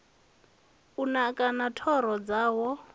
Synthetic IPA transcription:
unakʼanatʰɔɾɔd͡zaːwɔ

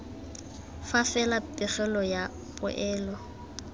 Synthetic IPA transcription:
fafɛlapʼɪχɛlɔja | pʼʊ̰ʔɛːlɔ

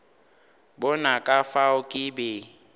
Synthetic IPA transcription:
bʊnakʼafaʊkʼɪbɛ

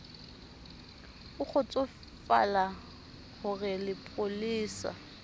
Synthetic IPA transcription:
ʊk͡xʊt͡sʼʊ | fa̰la | ɣʊrɪlɪpʼoliːsa̰

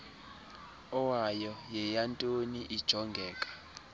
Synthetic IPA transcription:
ɔwajɔjɛjantʼoniʔid̥ʒ̥ʱɔŋɡʱɛːkʼḁ

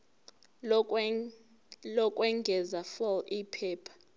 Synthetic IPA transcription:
lɔkʼwɛŋɡʱɛzafɔlipʰɛːpʰḁ

